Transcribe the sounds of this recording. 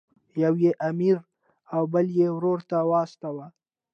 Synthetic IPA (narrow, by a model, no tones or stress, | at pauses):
jawjeʔamiɾ | awbəljewɾoɾt̪awɑːst̪awa